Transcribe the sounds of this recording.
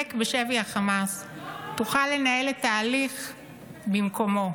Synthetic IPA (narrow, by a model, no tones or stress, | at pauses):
ekbeʃeviaχamastuχalːe̞nae̞let̪aːliχ | bimko̞mo̞